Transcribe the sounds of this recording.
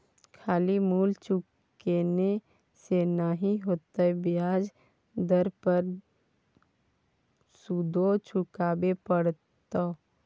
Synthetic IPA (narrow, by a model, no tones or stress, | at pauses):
kʰaːlimuːlt͡ʃʊk | eːne | senaɦiɦoːt̪aɛbɪjaːd͡ʒ | d̪əɾpəɾ | sud̪ʱot͡ʃʊkaːbepəɽ | t̪o